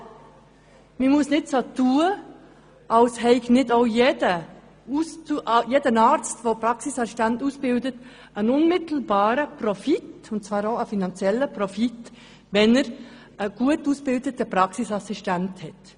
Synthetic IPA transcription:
mimʊsnɪtsoːtʰuːə | ʔɑlshɛɪçnɪtaʊjeːdə | ustuʔjeːdənaːɾt͡stʋopɾɑksisɑsiʃtɛntuːsb̥ɪldət | ænʊnmɪt̪l̩bɑːɾəprɔfitʊnt̚t͡svɑːɾoʊəfinɑnt͡sjɛlːəprɔfit | vɛnɛɾ | əɡ̥uətuːsb̥ɪldətəpɾɑksisɑsistɛnthɛt

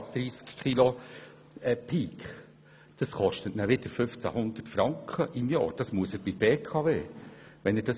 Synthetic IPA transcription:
d̪̥ɾiːskʰχilo | ɛpʰiːk | d̥ɑskɔʃtətnæʋɪd̥əɾfʏft͡sæ̰hʊnd̥̪ətfɾɑŋkχəʔɪmjɑ̰ːɾd̥ɑsmuəsəɾb̥ɪbeːkʰɑveːʋɛnɛd̥ɑs

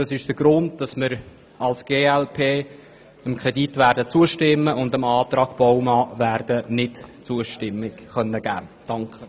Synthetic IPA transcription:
d̥ɑsɪʃd̥əɡɾʊnd̚d̥ɑsmɪɾ | ɑlsɡ̥eːɛlpʰeː | əmkʰɾɛditvæːɾdət͡suəʃtɪmːəʔʊndəmɑːt̪ɾɑːɡ̥b̥ɔwmɑːvæːɾrd̥ənɪtt͡suəʃtɪmːɪkχœnːəɡ̥æ̰ːd̥ɑŋkχə

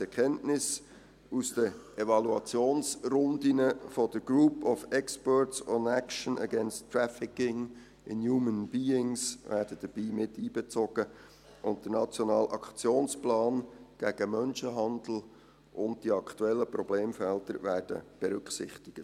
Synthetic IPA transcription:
ɛɾkʰɛntnɪs | usd̥əɛvɑluɑt͡sjoːnsɾʊnd̪inəfɔdəɾɡ̥ɾuːpʰɔfɛkspœɹtsɔnækʃənə̰ɡɛnstːɾæfɪkɪŋ | ɪ̰njuːmənbiːɪŋsʋæːɾdəd̥əb̥iːmɪtiːbɛt͡soɡ̥ə | ʔʊntd̥ənɑt͡sjonɑːlʔɑkt͡sjoːnsplɑːnɡ̥æɡ̥əmœnʃəɦɑnd̪l̩ | ʔʊnt̚d̥iɑkʰtuɛlːəpɾɔb̥leːmfɛltəɾvæːrd̥ə̰b̥ɛɾɵkχsɪ̰χt̪ɪɡ̥ət

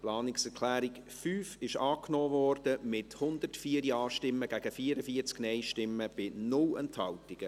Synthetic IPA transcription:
plɑːnɪksɛkʰlæːɾɪk | fyːfɪʃɑːknoːvɔrd̥əmɪthʊnd̥ərtfiːəɾjɑːʃtɪmːəɡ̥æɡ̥əfiːəɾəfiət͡sknɛɪʃtɪmːəb̥ɪnʊlɛ̰nthɑltɪɡ̥ə

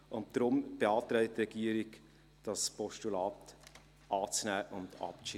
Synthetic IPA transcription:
ʔʊnt̚d̥ɾʊmb̥eɑːtɾɛɪtːrɛɡ̥iəɾɪɡ | d̥ɑspɔʃtulɑːt | ʔɑːt͡snæːʔəʊndɑ̰p̚i

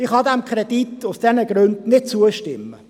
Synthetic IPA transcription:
ɪχhɑd̪æmkʰɾɛd̥̪itʊsd̥ɛnəɡ̥ɾʉndnɪt̚t͡suəʃtɪmːə

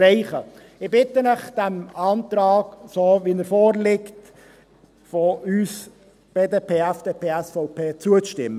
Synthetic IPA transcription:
ɾɛɪχə | ɪbɪt̪ənəχd̥ɛmɑːnt̪ɾɑːɡsoːʋinəɾfoːrlɪkt | foys | b̥eːdeːpʰeːæfd̥eːpʰeːæsfɔʊpʰeːt͡suət͡sʃtɪmːə

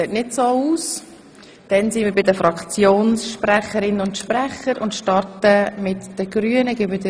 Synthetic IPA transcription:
ɛtnɪtsoːuːs | d̥ɛnsiːnməɾbɪdəfɾɑkt͡sjoːnsʃpræχəɾɪnəʊntʃprɛχəɾʊntʃtɑɾtəmɪtd̥əɡɾyənəɡɪbədə

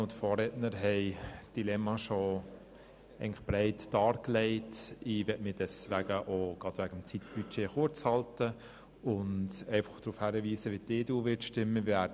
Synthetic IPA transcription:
ʊnt̪fɔːɾɛtnəɾɦɛɪd̥ilɛmːɑʃɔ | ʔɛɪŋnlɪ̥χb̥ɾɛɪtd̥ɑːɾklɛɪtiʋɛtmɪdɛsʋæɡəʔoɡ̥ɑtʋæɡ̥əmt͡sit̪b̥yt͡ʃeːχʊɾt͡shɑltə | ʊntɛɪfɑ̥χd̪̥ɾuːfhæːɾəʋiːsəʋid̥eːduːʋɪtʃtɪmːəʋæː

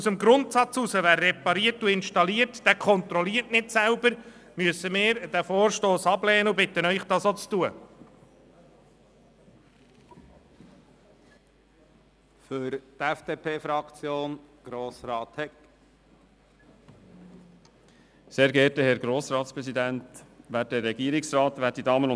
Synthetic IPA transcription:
usəmɡɾʊntsɑt͡susəʋæːrːɛpɑɾiəɾtuɪnʃtɑliːəɾtd̥ækʰɔnt̪ɾɔliːəɾtnɪtsæʊbəɾmyəsəmɪːɾd̥æfoːɾʃtoːsɑblɛːənəubɪt̪ənœʏχd̥ɑːsot͡stuə | fʏɾt̪ɛfd̥eːpʰeːfɾɑkt͡sjoːnɡ̥ɾoːsɾɑːthɛk | seːɾɡɛːɾtəhɛɾɡɾoːsɾɑːtspɾɛsidænt̪ʋæːt̚dɛɾːɛɡ̥iːɾɪksrɑːt̪ʋæːt̚didɑːmənʊ

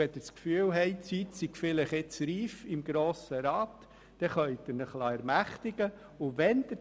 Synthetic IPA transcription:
ɛd̪əskfyːəlɦɛɪt͡sit̪siɡ̥fɪləχɪt͡sɾiːfɪmɡɾoːsəɾɑːt̪ | d̥̪ɛχœʏd̪ɪɾnəχlɑɛɾmæχt̪ɪɡə | ʊʋɛnd̪̥ə

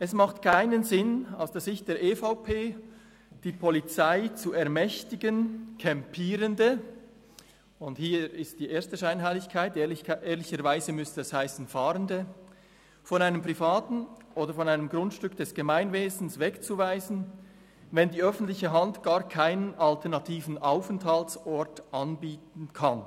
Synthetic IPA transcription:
ʔɛsmaχtkʰaɪnənzɪna̰ʊsd̥eːɐzɪçt̚d̥eːɐɾʔeːfaʊpʰeː | d̥iːpʰɔlit͡saɪt͡suɛɐmɛçtɪɡənkʰɛmpʰiːɾəndə | ʊnthiːɪst̚d̥iːʔeːɐstəʃaɪnɦaɪlɪçkʰaɪtːʔeːɐlɪçəɾvaɪzəmʏstəɛshaɪsn̩faːʁəndə | fɔnaɪnəmpʁ̥ifaːtn̩ʔoːdəfɔnaɪnəmɡʁʊntʃtʏkd̥ɛsɡ̥əmaɪnveːzn̩svɛkt͡suvaɪzn̩ | vɛndiːœfn̩tlɪçəɦɑntɡ̥aːɾkʰaɪnənaltʰɛɐʁnɑtʰiːvn̩ʔaʊfɛnthaltsɔɹtʔɑnbiːtn̩kʰan

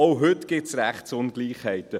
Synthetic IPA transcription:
oʊɦʏt̪ɡ̥ɪt̪sɾæχtsʊnɡ̥liːχhɛɪt̪ə

